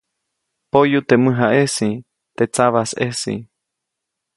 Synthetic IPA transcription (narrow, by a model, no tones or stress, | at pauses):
pojut̪emɨ̃ɦaʔesi | t̪et͡saβasesḭ